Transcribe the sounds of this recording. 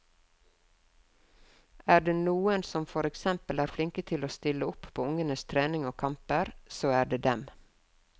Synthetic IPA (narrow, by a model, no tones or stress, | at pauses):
æːɖeːnuːənsɔmfɔɾɛksɛmpəlæːɾflɪŋkət̪ʰɪloːst̪ɪləʊppʰoːʊŋənəst̪ʰɾeːnɪŋoːkʰɑmpəɾsoːæːɖeːd̪ɛm